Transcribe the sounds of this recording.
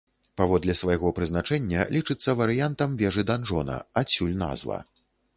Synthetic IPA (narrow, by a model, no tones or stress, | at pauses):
pavɔd̪lʲɛsvajɣɔpɾɨznat͡ʂɛnʲːɐ̰lʲit͡ʂɨt̪sːɐvɐɾɨjant̪ɐmvʲɛʐɨd̪anʐɔnɐ̰asʲulʲna̰zvɐ̰